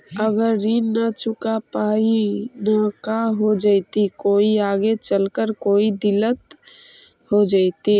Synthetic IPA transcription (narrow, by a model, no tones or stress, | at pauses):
əɡəɾːinat͡ʃʊkapaːinakaɦod͡ʒaːit̪ikoːiaːɡet͡ʃəlkəɾkoːid̪ɪlət̪ | hod͡ʒaːit̪i